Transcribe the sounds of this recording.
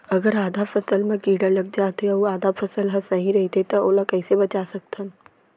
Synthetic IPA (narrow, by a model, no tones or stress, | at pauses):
ɐɡəɾaːd̪ʱafʰɐsəlmẽkiːɖəɾlɐɡ̚d͡ʒaːt̪eɐuaːd̪afʰɐsəlɦɐsnɐɦĩɾɐɦit̪et̪ɐoːlakɛːsebɐt͡ʃasɐk̚t̪ʰən